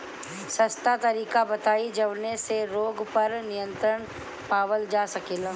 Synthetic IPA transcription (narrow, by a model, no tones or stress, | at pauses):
sɐst̪at̪ɐɾiːkabɐt̪aːid͡ʒɐʋneseɾoːɡpɐɾnɪjə̃nt̪ɾəɽ̃ | paːʋəld͡ʒaːsɐkeːla